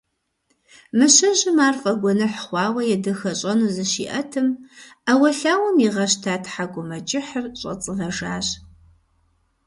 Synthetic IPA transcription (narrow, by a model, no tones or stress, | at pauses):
mɨɕɐʑɪmaːrfʼɐɡʷɔnɐħχʷɑːwɐjɛdɨxɐɕʼɐnuːzɨɕḭːʔɐtʰɨmɐwɐɬaːwɐmiʁɐɕtʰaːtʰħaɡʷʊmɐt͡ʃʼɪħərɕʼɐ̰t͡sʼɨvɐʒaːɕ